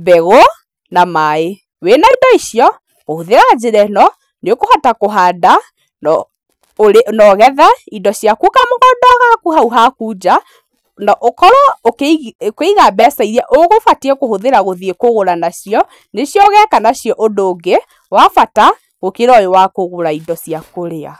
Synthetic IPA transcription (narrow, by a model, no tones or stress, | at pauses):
bɛɣɔ | namae | wenaidɔiɕiɔ | ɣohoðeɣad͡ʒeɾɛnɔ | nekohatakoɦada | nɔ | ɾenɔɣɛðaidɔɕjakukamoɣɔdɔɣakuhauɦakud͡ʑa | nɔʔokɔɾɔokekeiɣabɛsaiɾɛʔoɣofatiɛkohoðeɾaɣoðiekoɣoɾanaɕiɔ | neɕjɔɣɛkanaɕjɔʔodoːɡe | wafata | ɣokeɾɔjewakoɣoɾaidɔsjakoɾea̰